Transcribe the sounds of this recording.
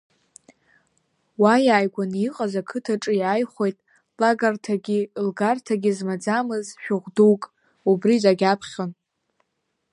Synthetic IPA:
wajaːjɡʷaniqʼazakʰɨtʰaʈ͡ʂʼɨjajχʷe̞jtʼ | laɡartʰaɡʲilɡartʰaɡʲizmad͡zamɨzʃᶣʊʁʷduwkʼ | ubrizaɡʲapʰχʲan

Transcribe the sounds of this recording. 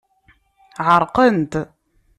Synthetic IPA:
ʕəɾˤqənt̪

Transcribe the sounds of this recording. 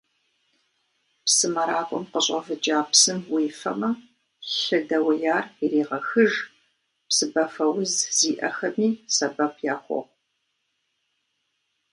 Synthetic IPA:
psɨmɐɾaːkʷʼɔ̰mqəɕʼɐvɨd͡ʒʼaːpsɨmwiːfɐ̰mɐ | ɬɨdɐwɐjaːriɾiːʁɐxɨʒ | psɨbɐfɐwʊzz̥iːʔɐ̰xɐmiːsɐbɐpʰjaːχʷɔ̰ʁʷ

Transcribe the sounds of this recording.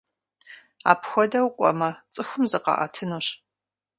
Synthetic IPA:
a̰ːpʰxʷɔdɐwqʷʼɔ̰mɐt͡sʼɨxʷʊmzɨqɑ̰ʔɐ̰tʰɨnuɕ

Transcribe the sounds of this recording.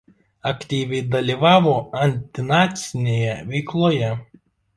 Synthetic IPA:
ɐkt̪ʲiːʋʲɛɪd̪ɐlʲiʋɑːʋoːɐnʲt̪ʲɪnɑːt̪sʲɪnʲeːjɛʋʲɛɪklˠoːjɛ

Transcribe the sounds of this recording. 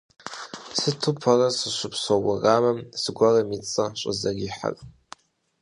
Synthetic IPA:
sɨtʰɨpʰarasɨʃʷʊpʰsowaramamsɡʷaramit͡sʼaʃʷʼazaɡʲiħa̰rʼ

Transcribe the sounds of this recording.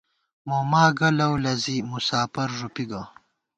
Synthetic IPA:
momaːɡɐlɐwlɐzimusaːpɐɾʐupiɡa

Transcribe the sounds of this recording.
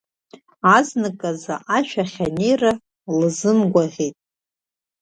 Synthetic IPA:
aznɨkʼazaʔaʃʷᶣʰaχʲanejra | lɨzɨmɡʷaʁʲetʼ

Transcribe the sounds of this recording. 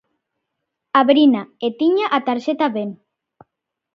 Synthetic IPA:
aβɾinaet̪iɲaʔat̪aɾʃet̪aβen

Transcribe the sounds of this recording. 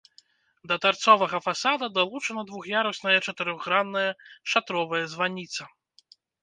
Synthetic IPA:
d̪ɐt̪art̪sɔvɐɣɐfasad̪ɐd̪alˠut͡ʂɐnɐd̪vuxjaɾɐsʲnɐjɐt͡ʂɐt̪ɨɾɔɣːɾanːɐjɐʂat̪ɾɔvɐjɐzvanʲit̪sɐ

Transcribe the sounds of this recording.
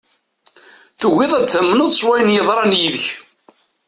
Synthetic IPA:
θəwːɪðˤæd̪θæmːənəðˤsˤwæjənjəðˤɾˤɑnjiðəç

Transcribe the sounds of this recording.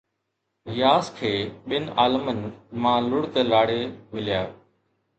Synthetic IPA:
ɾɪjaːskʰeːɓɪnaːlmənmãːlʊɽt̪eːlaːɽeːmɪlɪjaː

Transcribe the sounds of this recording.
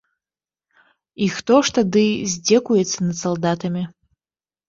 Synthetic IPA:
ixt̪ɔʂt̪ad̪ɨzʲd͡zʲɛkujɛt̪sːɐnɐd̪salˠd̪at̪ɐmʲi

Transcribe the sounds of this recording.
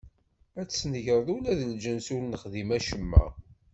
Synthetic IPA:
æt͡sːsnəʝɾˤəðˤulæðənd͡ʒənsulnəχðimæʃəmːæ̰

